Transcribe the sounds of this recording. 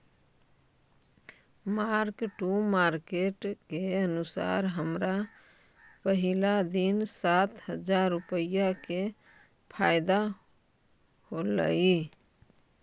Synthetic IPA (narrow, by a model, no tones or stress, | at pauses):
maɾkʈumaɾkeʈkeənʊsa̰ɾɦəmɾa | pəɦɪlad̪insat̪ɦəd͡ʒaɾːupəjake | pʰaɪd̪a | holə̰i